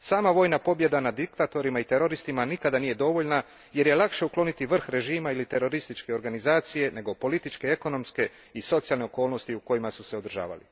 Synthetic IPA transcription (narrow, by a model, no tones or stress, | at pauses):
saːmaʋo̞ːjnapo̞bje̞d̪anad̪ikt̪at̪o̞ɾimait̪e̞ɾo̞ɾist̪imanikad̪aniːje̞d̪o̞ʋo̞ʎna | je̞ɾje̞lˠakʃe̞uklˠo̞nit̪iʋr̩xɾe̞ʒiːmailit̪e̞ɾo̞ɾist̪it͡ʃke̞o̞ɾɡanizaːt̪sije̞ne̞ɡo̞po̞lit̪it͡ʃke̞eko̞no̞mske̞ | iso̞t̪sialne̞o̞ko̞ːlˠno̞st̪iuko̞jimasuse̞od̪r̩ʒa̰ːʋa̰lḭ